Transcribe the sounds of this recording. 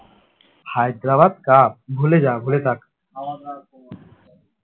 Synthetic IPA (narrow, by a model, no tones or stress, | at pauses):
hajd̪ɾabad̪̚kabʱuled͡ʒabʱulet̪ak